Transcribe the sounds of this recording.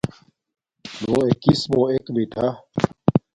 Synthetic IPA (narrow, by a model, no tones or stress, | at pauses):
nũːekismõːekbiʈʰa